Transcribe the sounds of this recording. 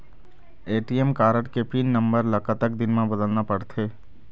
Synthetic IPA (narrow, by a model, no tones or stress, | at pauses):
eːʈijemkaːɾəʈkepʰiːnːə̃mbəɾləkət̪əkd̪ɪnmẽbəd̪əlnapɐɽt̪ʰeː